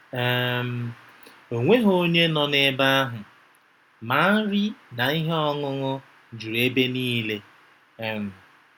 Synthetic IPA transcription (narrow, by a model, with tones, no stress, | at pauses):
ɛ˦˨m̩˨ | o˨ŋʷe˦ɦo˦ɲe˦nɔ˨ne˦ba˦ɦʊ˨ | ma˨˦ɾi˦na˨i˦ɦe˦ɔ˦ŋʊ˦ŋʊ˦ | d͡ʒu˨ɾe˦be˦niː˦le˦˨ | m̩˨